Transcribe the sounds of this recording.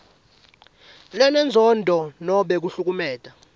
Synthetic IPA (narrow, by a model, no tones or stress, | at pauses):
lɛnɛnd͡zʱɔndʱɔnɔɓɛk̬uɬuk̬umɛːtʼa